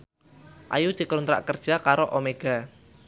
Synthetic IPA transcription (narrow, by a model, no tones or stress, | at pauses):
ʔa̰jud̪̥i̤kɾunt̪ɾa̰ʔkərd̥ʒ̥a̤kaɾoʔomeɡ̥a̤